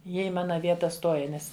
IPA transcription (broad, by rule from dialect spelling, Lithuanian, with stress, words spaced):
ˈjiɛ ɪ ˈmɑːnɐ ˈʋʲiɛtɐ ˈstoːjɛ ˈnʲɛs